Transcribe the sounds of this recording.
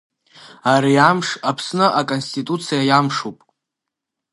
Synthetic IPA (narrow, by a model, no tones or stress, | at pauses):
aɾiamʂapʰsnɨʔakʼonstʰʼitʼut͡sʰijajamʂupʼ